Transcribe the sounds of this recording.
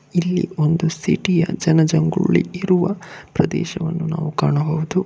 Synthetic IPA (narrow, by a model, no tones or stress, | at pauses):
ilːḭo̞nd̪usiʈijɐd͡ʒɐnɐd͡ʒɐŋɡuɭːḭiɾuʋɐpɾɐd̪ɛ̰ːʃɐʋɐnːunaːʋukaːɳɐɦɐʋud̪u